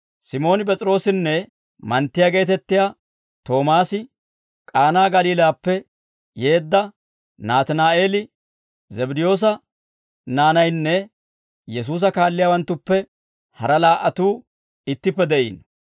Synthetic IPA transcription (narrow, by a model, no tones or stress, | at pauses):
sɪmo̞ːnɪpɛt͡sʼɪɾo̞ːsɪnːɛ | mɐnt̪ːɪjaːɡe̞ːt̪ɛt̪ːɪjaː | t̪o̞ːmaːsɪ | kʼaːnaːɡɐliːlaːpːɛ | je̞ːd̪ːɐ | naːt̪ɪnaːʔe̞ːlɪ | zɛbɪd̪ɪjo̞ːs̬ɐ | naːnɐjnːɛ | jɛs̬uːs̬ɐkaːlːɪjaːwɐnt̪ːʊpːɛ | hɐɾɐlaːʔɐt̪uː | ɪt̪ːɪpːɛd̪ɛʔḭːn